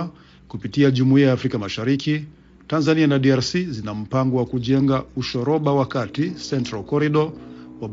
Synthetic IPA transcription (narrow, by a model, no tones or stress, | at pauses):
kupitiaʄumuiajaːfɾikamaʃaɾiki | tanzanianaɗiaɾsizinam̩paŋɡɔwakuʄɛŋɡauʃɔɾɔɓawakatisɛntɾalkɔɾiɗɔwa